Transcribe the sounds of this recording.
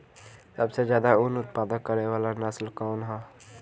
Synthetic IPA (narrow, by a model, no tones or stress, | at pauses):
səbsed͡ʒjaːd̪aʊnʊt̪paːd̪əkːəɾeʋaːlanaslkɔːnɦɛ̃ː